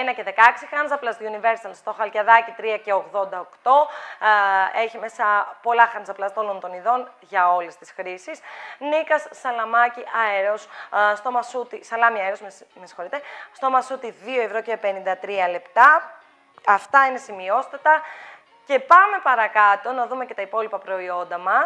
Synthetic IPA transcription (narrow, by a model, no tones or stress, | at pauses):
enɐceðe̞kɐksixɐnzɐplɐzt̪unive̞ɾsi̥t̪ɐlst̪o̞xɐlcɐðɐcit̪ɾiɐce̞o̞ɣðo̞nd̪ɐokt̪o̞ | e̞çimesɐpo̞lɐxɐnzɐplɐzt̪olo̞nt̪o̞niðo̞nʝɐo̞le̞st̪isxɾisisnikɐsːɐlɐmɐciʔɐeɾosst̪o̞mɐsut̪isɐlɐmiɐeɾo̞smemesi̥xoit̪est̪o̞mɐsut̪iðio̞evɾo̞cepe̞nind̪ɐt̪ɾiɐle̞pt̪ɐ | ɐft̪ɐine̞simio̞st̪ɐt̪ɐ | ce̞pɐme̞pɐɾɐkɐt̪o̞nɐðume̞ce̞t̪ɐipo̞lipɐpɾo̞io̞nd̪ɐmɐs